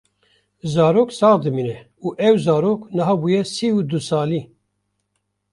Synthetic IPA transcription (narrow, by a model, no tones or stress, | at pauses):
zɑːɾoːksɑːʁd̪ɨmiːnɛ | uːʔɛwzɑːɾoːknɨɦɑːbuːjɛsiːud̪usɑːliː